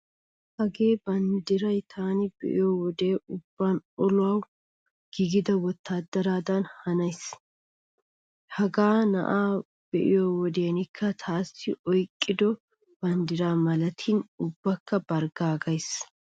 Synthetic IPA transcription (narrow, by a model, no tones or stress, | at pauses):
hɐɡe̞ːbɐnd̪ɪɾɐjt̪ʰaːnɪb̥ɛ̰ʔɪ̰joːwɔd̪eːʊbːanɔlʊɐw | ɡ̥iɡɪd̪ɐwɔt̪ːaːd̪ːɐɾaːd̪ɐnhɐnɐjs | hɐɡaːnɐ̰ʔaː | b̥ɛʔɪ̰joːwɔd̪eːnɪkʰːɐt̪ʰaːsːɪʔɔjkʼːɪd̪ɔ | b̥ɐnd̪ɪɾaːmɐlɐt̪ʰɪnʊbːɐkːɐbɐɾɡaːɡɐjs